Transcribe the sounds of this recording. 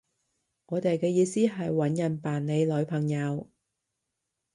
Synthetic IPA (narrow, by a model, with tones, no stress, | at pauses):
ŋɔː˨˧t̪e˨jkɛː˧jiː˨˧siː˥ɦɐ˨jwɐ˨˥njɐ˨˩npaː˨nne˨˧jlɵ˨˧ɥpʰɐ˨˩ŋjɐ˨˧w